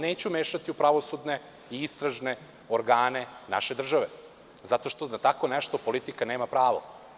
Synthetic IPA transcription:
neːt͡ɕumeːʃat̪iupɾaʋo̞sud̪ne̞ | iist̪ɾaʒne | oɾɡaːne̞na̰ʃed̪r̩ʒaʋe | zat̪o̞ʃt̪onat̪akonɛʃt̪o̞po̞lit̪ikaneːmapɾaːʋo̰

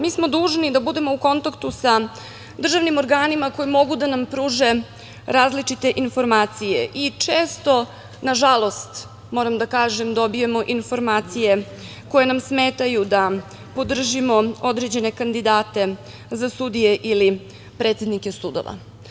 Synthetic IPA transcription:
miːsmo̞d̪uːʒnid̪abud̪e̞mo̞uko̞nt̪akt̪usa | d̪r̩ʒaʋnimo̞ɾɡaːnimako̞jimo̞ɡud̪anampɾuːʒe̞ | ɾaːzlit͡ʃit̪e̞ʔinfo̞ɾmaːt̪sijeʔit͡ʃeːst̪o̞ | naʒalˠo̞st̪ | mo̞ːɾamd̪akaːʒe̞md̪o̞bije̞mo̞ʔinfo̞ɾmaːt̪sije̞ | ko̞je̞namsme̞ːt̪ajud̪a | po̞d̪r̩ʒimo̞o̞d̪ɾe̞d͡ʑe̞ne̞kand̪id̪aːt̪e̞ | zasud̪ije̞ʔili | pɾe̞ːt̪sʲe̞d̪nike̞sud̪o̰ʋa̰

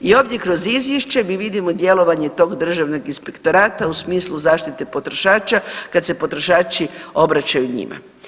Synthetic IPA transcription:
io̞ːʋd̪je̞kɾo̞zizʋjeʃt͡ɕe̞miːʋid̪imod̪je̞lˠo̞ʋaɲe̞t̪o̞ːɡd̪r̩ʒaʋno̞ɡinspe̞kt̪o̞ɾaːt̪ausmiːslˠuzaːʃt̪it̪e̞po̞t̪ɾo̞ʃaːt͡ʃakad̪se̞po̞t̪ɾo̞ʃaːt͡ʃio̞bɾat͡ɕajuɲḭmʔa̰

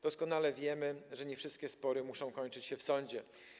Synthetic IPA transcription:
d̪̥ɔskɔnalɛvʲjɛmɘʐɛɲɛfʂɘst̪kʲɛspɔɾɘmuʂɔ̃w̃kɔɲt͡ʂɘt͡ɕɕɛfsɔɲd͡ʑɛ

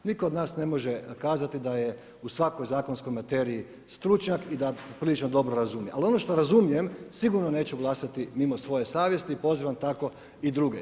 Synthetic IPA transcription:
nikoːd̪naːsne̞mo̞ʒe̞kaːzat̪id̪aje̞ | usʋako̞jzaːko̞nsko̞jmat̪e̞ːɾii | st̪ɾut͡ʃɲakid̪apɾilit͡ʃnod̪o̞bɾoɾazumjeʔalio̞noʃt̪o̞ɾazumije̞msiɡuɾnone̞ːt͡ɕuɡlˠasat̪imimo̞sʋo̞je̞saːʋje̞st̪iipo̞ziʋant̪ako̞ | id̪ɾuɡe

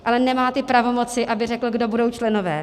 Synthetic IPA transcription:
ʔalɛnɛmaːt̪ɪpɾavo̞mo̞t͡sɪʔabɪrɛkl̩ɡdo̞budo̞wt͡ʃlɛnovɛː

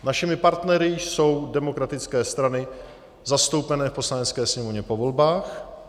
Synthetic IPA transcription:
naʃɪmɪpaɾt̪nɛɾɪso̞wdɛmo̞kɾat̪ɪt͡skɛːst̪ɾanɪ | zast̪o̞wpɛnɛːfpo̞slanɛt͡skɛːsɲɛmovɲɛpovo̞lbaːx

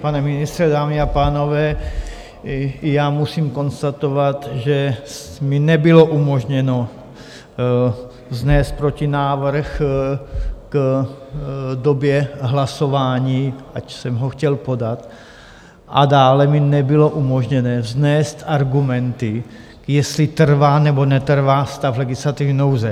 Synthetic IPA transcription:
panɛminist̪ɾɛdaːmiapaːnovɛː | jaːmusiːmko̞nst̪at̪ovat̪ʒɛmɪnɛbɪlo̞ʔumo̞ʒɲɛno | znɛːst̪̚pɾocinaːvr̩x | ɡ̥ | dobjɛɦlasovaːɲiːʔacsɛmɦoxcɛlpo̞dat̪ | ʔadaːlɛmɪnɛbɪlo̞ʔumoʒɲɛnɛːvznɛːst̪ʔaɾɡumɛnt̪ɪ | jɛslɪt̪r̩vaːnɛbo̞nɛt̪r̩vaːst̪aflɛɡɪslat̪ivinowzɛ

